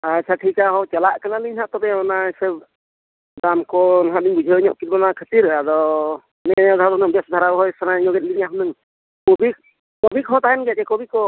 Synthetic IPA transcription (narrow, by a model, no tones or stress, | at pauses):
at͡ʃʰaʈʰikaɦɔt͡ʃɛlaʔkanaliɲɦaʔt̪ɔbɛɔnasəb | damkɔnɦaʔliŋbud͡ʒʱəɲɔ̰ʔkit̪̚banakʰət̪iɾad̪ɔ | nɛɔd̪ʱawd̪ɔnɯŋbɛsd̪ʱaɾaɦɔjsanaɲɔɡɛt̪̚liɲaɦnɯŋ | kɔbik̚ː | ɔbikɦɔ̃t̪aɛnɡɛkɛkɔbikɔ